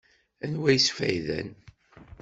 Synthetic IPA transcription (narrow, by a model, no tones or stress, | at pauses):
ænwæjsfæ̰jðæ̰n